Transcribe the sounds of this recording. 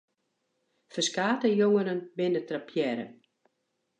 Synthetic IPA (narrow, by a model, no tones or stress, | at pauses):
fəskaːtəjoŋəɾənbɪnətrapʰjɛɾə̰